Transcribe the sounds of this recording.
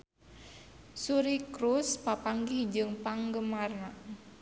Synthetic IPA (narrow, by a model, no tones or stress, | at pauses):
suɾikɾuspapaŋɡihd͡ʒɨŋpaŋɡəmarna